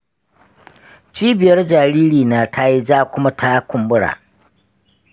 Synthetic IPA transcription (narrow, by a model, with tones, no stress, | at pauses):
t͡ʃiː˦bɪ˨jɐ˦rd͡ʒaː˨ɾiː˦ɽiː˨naː˨tʰa˦ji˦d͡ʒaː˦kʷʊ˦ma˦tʰa˦jkʷʊ˨mbʊ˦ɽa̰ː˨